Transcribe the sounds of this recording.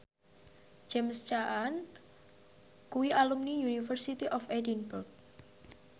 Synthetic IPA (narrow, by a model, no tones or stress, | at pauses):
d͡ʒɛmst͡ʃaʔan | kuwiʔalumnijunifərsit̪iʔɔfedinburk̚